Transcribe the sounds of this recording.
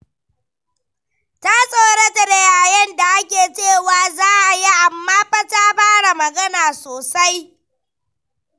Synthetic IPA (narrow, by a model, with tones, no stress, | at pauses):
ta˦sʼoː˨ɽe˦tɐ˦˨ɽe˨jaː˨jɛ˦nda˨ʔa˦kʲeː˨t͡ʃeː˦˨waː˨zaː˦ʔa˨ji˦ʔa˨mːaː˦ɸɐ˦taː˦baː˦ɽa˨mɐ˨ɡɐ˦naː˨soː˨sa˦j